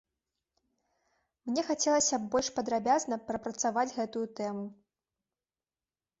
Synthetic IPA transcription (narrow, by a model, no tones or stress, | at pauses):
mnʲɛxat͡sʲɛlˠɐsʲɐbɔlʲʂpɐd̪ɾabʲaznɐpɾɐpɾɐt̪savad͡zʲɣɛt̪ujut̪ɛmu